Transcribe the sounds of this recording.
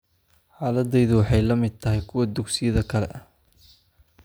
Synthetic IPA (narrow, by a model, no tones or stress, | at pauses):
ħaːlɐd̪ɛjðʊwɑħɑjlɐmɪd̪̚t̪ʰɐɦɪjkʰʊwɐd̪ʊɡsɪjɐðɐkʰɐlɛ̰ʔɐh